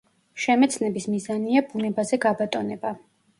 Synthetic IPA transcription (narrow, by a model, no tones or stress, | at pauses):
ʃɛmɛt̪sʰnɛbismizaniabunɛbazɛɡabat̪ʼɔnɛba